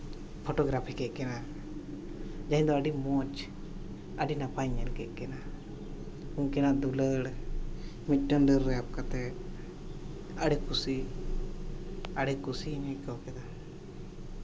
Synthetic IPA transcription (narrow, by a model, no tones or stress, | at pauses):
pʰɔʈɔɡɾapʰikɛʔkɛna | d͡ʒaɦĩd̪ɔəɖimɔt͡ʃ | əɖinapajɲɛɾkɛʔkɛna | uɲkɛnad̪uləɽ | mic̚ˀʈənɖəɾːɛap̚kat̪ɛ | əɽɛkʰusi | aɽɛkusiɦiɲɛʔkakɛd̪a